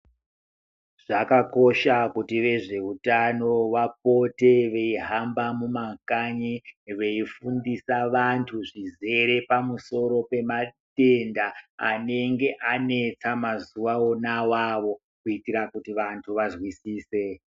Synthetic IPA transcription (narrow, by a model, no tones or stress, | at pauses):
ʐ̥akako̞ʃakutiʋe̞ʐe̞utano̞wap̚o̞te̞ʋe̞iɦambamumakaɲiʋe̞ifundisaʋantʰuʐize̞ɾe̞pamuso̞ɾo̞pe̞mate̞nda̰ːne̞ŋɡe̞ʔane̞t͡samazuʋao̞nawaʋo̞ | kuitiɾakutiʋantʰuʋazwisiːse̞